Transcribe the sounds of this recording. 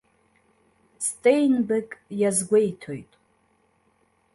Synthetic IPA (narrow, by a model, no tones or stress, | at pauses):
stʼejnbɨkʼjazɡʷejtʰojtʼ